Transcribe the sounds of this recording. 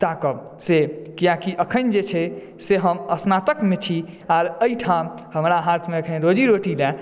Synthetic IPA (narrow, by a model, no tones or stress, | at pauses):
t̪akə | sekijakiʔəkʰənd͡ʒet͡ʃʰɛ | seɦəməsnat̪əkmet͡ʃʰi | aɾəiʈʰamhəmɾaɦat̪ʰmeəkʰənɾod͡ʒiɾoʈila